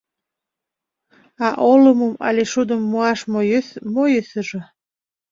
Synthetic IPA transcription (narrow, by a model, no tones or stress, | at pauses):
ɑʔoləməmɑ̰leʃud̪əmːuɑʃmojəθmojəsəʒə̆